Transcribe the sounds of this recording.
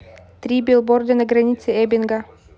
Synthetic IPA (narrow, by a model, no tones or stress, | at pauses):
t̪ɾʲibʲɪlˠbord̪ʲɐnɐɡɾɐnʲit̪sʲɪɛbʲɪnɡa